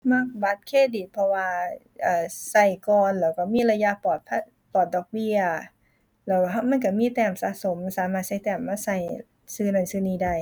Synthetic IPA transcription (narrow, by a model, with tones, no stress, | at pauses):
ma˧˥˩k̚ba˨˧˦t̪̚kʰeː˧˥˩diː˨˧˩pʰɔ˧waː˧ | ʔaː˨˩sa˧˩jkɔː˨˩nlɛː˧˩wka˧˩miː˧˥˨la˧ja˧˨pɔː˨˩t̪̚pʰa˧˩ | pɔː˨˩t̪̚dɔː˧˩k̚bi˧˨ɐɐ | lɛː˧˩wɦa˧˩ma˧˥˨nk̬a˧˩miː˧˥˨t̪ɛː˧˩msa̰ː˧˦so˨˦msaː˨˦maː˧˩sa˧˩jt̪ɛː˧˩mːaː˧˥˨sa˧˩j | sɯː˧˩nɔ˧˩˨sɯː˧˥˨niː˧˩da˧˩j